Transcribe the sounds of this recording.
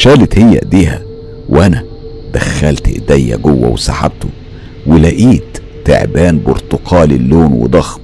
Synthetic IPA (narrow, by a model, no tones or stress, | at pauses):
ʃæːlɪt̪hejːæ̰d̪iːhæ̰ | wʔænæ | d̪æxːælt̪ʔḛd̪æjːæ̰ɡowːæ̰wesa̰ħa̰b̚t̪ʊ | wɪlæʔiːt̪ː | ḛʕbæːnboɾt̪oqʰɑːlɪlːoːnwḛd̪ˤɑxm